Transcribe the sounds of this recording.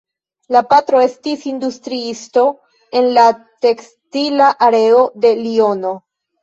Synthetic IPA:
lapatɾo̞e̞stisindustɾiisto̞ | e̞nlate̞ks | tilaʔaɾe̞o̞de̞lio̞no̞

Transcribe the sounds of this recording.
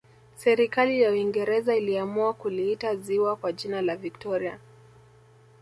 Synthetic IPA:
sɛɾikalijauiŋɡɛɾɛzailiamuakuliitaziwakwaʄinalaviktɔɾia̰

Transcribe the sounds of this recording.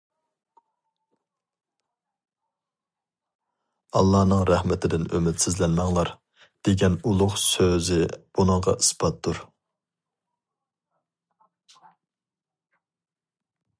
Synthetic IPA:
ɑlˠːɑːnɨŋɾɛhmɪt̪ʰɪd̪ɪnømɪt̪sɪzlɛnmɑŋlˠɑɾ | d̪̥eɡʲɛnulˠʊχsøzɪb̥unəŋʁɑʔisbɑt̪̚d̪uɾ

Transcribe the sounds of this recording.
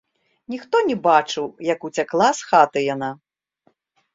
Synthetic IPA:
nʲixt̪ɔnʲɛbat͡ʂɨwjɐkut͡sʲaklˠasxat̪ɨjana

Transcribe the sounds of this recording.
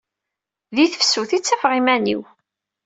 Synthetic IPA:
ðiθəfsuθit͡sːæfʁimænḭw

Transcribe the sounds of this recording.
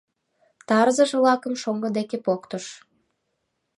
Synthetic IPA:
t̪ɑɾzəʃlɑkə̆mʃoŋɡə̆d̪ekepokt̪oʃ

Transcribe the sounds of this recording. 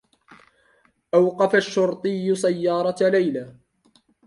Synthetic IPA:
ʔawqɑfaʃːʊɾt̪ˤɨjːʊsajːɑːɾˤɑlajlaː

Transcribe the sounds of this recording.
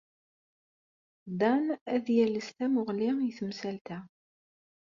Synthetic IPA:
d̪ˤɑnæðjæləst̪æmʊʁlijθəmsælt̪æ

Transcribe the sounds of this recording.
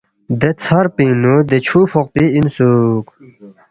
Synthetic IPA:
d̪et͡sʰɐɾpinud̪et͡ɕʰufʰɔq̚piinsuk

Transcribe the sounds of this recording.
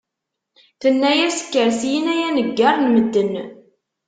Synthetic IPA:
θənːæjæsə̥kːəɾsijənæjænəɡːarˤnməd̪ːən

